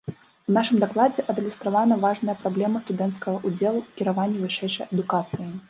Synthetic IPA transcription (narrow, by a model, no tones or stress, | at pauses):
unaʂɨmd̪aklˠad͡zʲɛʔɐd̪ɨlʲust̪ɾavanɐvaʐnɐjɐpɾablʲɛmɐst̪ud̪ɛnt̪skɐɣɐʔud͡zʲɛlˠukʲiɾavanʲːɛvɨʂɛjʂɐjɐd̪ukat̪sɨji